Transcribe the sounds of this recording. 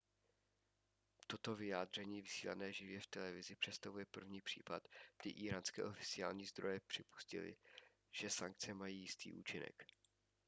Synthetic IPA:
t̪o̞t̪o̞vɪjaːd̪r̝ɛɲiːvɪsiːla̰nɛːʒɪvjɛft̪ɛlɛvɪzɪpr̝̥ɛtst̪avujɛpr̩vɲiːpr̥ḭːpat̪ɡ̥dɪʔiːɾaːnskɛ̰ːʔo̞fɪt͡sɪa̰ːlɲiːzd̪ɾo̞jɛpr̥ɪpu̥scɪ̰lɪ̰ | ʒ̥ɛsaŋk̚t͡sɛmajiːjɪst̪ḭːʔṵːt͡ʃɪnɛ̰k

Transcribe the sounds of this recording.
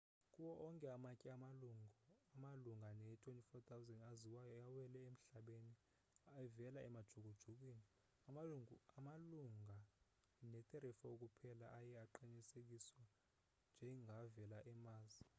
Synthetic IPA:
kʼuwɔʔɔŋkʼɛamakʼɛamaluŋɔamaluŋɡʱanɛtʰʼonifɔt̪ʼʰawzɛndaziwajɔjawɛlɛem̩ɬaɓeni | aɛvɛlaʔɛmad̥ʒ̥ʱuk̬ud̥ʒ̥ʱuk̬wini | amauŋuamaluŋɡʱa | nɛt̪ʼɛɾɛfɔok̬ʼupʰɛlaʔajɛaǃiɲisek̬ʼiswa | nd͡ʒʱɛŋɡʱavɛlaʔɛmaːzi

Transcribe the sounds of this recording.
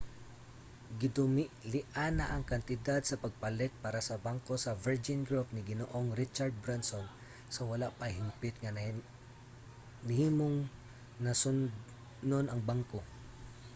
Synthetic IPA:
ɡɪd̪ʊmɪʔlɪʔanɐʔɐŋkɐnt̪ɪd̪ad̪̚sɐpɐɡ̚pɐlɛt̪̚paːɾɐsɐbaŋko̞sɐvɛɹd͡ʒɪnɡɹupnɪɡɪnoʔoŋɾɪt͡ʃaɹd̪̚bɾanson | sɐwɐlaʔpɐhɪmpɪt̪ŋɐ | nhiːmoŋ | nɐsʊn | nonɐŋbaŋko

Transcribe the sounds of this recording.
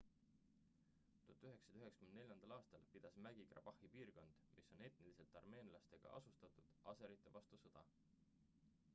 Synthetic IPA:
t̪ut̪ːˑuyɦe̞ksɑd̪yɦe̞ksɑ̥ymend̪ne̞lʲjɑnd̪̥ɑlɑːst̪ɑlpid̪̥ɑsmæɡ̥ikrɑ̰b̥ɑhipiːrko̞nd̪̥mʔisːo̞ne̞t̪nilise̞lt̪ːˑɑrme̞ːnlɑst̪e̞ɡ̥ɑ̰ʔɑ̰sust̪ɑt̪ˑud̪̥ɑse̞ɾit̪ˑːe̞vɑst̪usɤd̪̥ɑ

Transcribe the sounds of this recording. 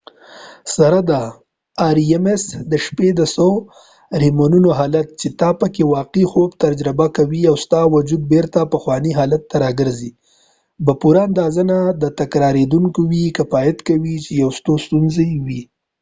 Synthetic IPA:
saɾad̪aː | ɾiemesd̪əʃped̪əso | ɾimonunoɦɑlat̪̚t͡ʃet̪ɑpəkewɑqixobt̪aɾd͡ʒɾɪbakawiawst̪ɑwʊd͡ʒud̪̚beɾt̪apəxwɑniɦɑlat̪ːaɾɑɡəɾzi | bapuɾaand̪ɑzanad̪ət̪akɾɑɾed̪uŋkowikəfɑjɪt̪kawit͡ʃejawst̪ost̪unzewi

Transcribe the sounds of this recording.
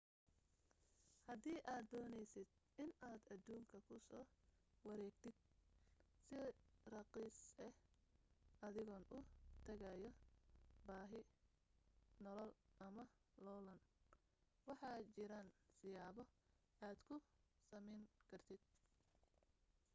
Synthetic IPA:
hɐd̪iːʔaːd̪ːɔːnɛjsɪd̪̚ | ɪnaːd̪ɐd̪uːŋkʰɐkʰʊsɔːwɐɾɛːɡt̪ʰɪd̪̥̚ | sɪrɑqiːsɛh | ʔɐðɪɣɔːnʔʊt̪ʰɐɣɐjɔ | baːɦɪ | nɔlɔlʔɐmɐlɔlɐn | wɑħɑːt͡ʃɪɾaːnsɪjaːβɔaːd̪kʰʊsɐmɛjŋkʰɐrt̪ʰɪd̪̥̚

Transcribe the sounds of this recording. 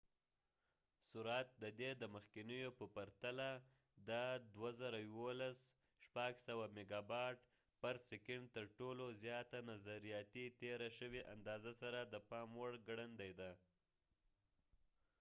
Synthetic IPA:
suɾat̪̚d̪əd̪ed̪əməxkɪnəjopəpaɾt̪ala | d̪əd̪wazaɾajwolas | ʃpaɡsawameɡɑbɑʈ | pəɾsɪkɪɳɖt̪əɾʈolozjɑt̪anazaɾijɑt̪it̪eɾaʃəweʔa̰nd̪ɑzasaɾad̪əpɑmwəɽɡɽənd̪ajd̪a

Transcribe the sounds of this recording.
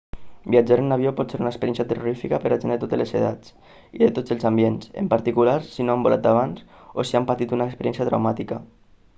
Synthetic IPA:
biad͡ʒaɾennaβ̞iopɔt̪seɾunəkspeɾjɛnsjat̪əroɾifikapəɾaʒenet̪ot̪elezḛða̰t͡s | iðet̪od͡zəlˠzambiensḛmpaɾt̪ikulaɾsinoambola̰t̪̚d̪aβanzosiampat̪it̪unaekspeɾjɛnsjat̪ɾa̰wmat̪ika

